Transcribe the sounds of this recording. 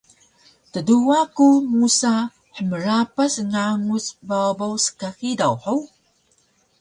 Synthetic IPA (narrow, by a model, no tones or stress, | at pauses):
təduakumusa | ħəməɾapasŋaŋusbawbawsə̥kaxidawħəw